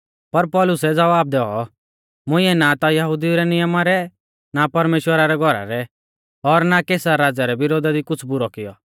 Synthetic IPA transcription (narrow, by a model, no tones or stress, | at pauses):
pɐɾpɔːlʊsɛd͡zɐʋaːb̚d̪ɛɔ̰ | mʊ̃ɪ̃ɛnat̪ajɐɦud̪iuɾɛnɪjəmaɾɛ | napɐɾmeːʃwəɾaɾɛɡʱɔɾa̰ɾɛ | ɔɾnakeːsaɾaːd͡zaɾɛbɪɾoːd̪ad̪ikʊt͡sʰbʊɾɔkɪjɔ̰